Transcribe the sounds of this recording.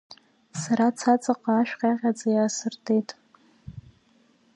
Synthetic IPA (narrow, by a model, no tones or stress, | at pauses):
saɾat͡sʰat͡sʼaqʼaːʃᶣqʲaʁʲad͡zʼajaːsɨrtʰejtʼ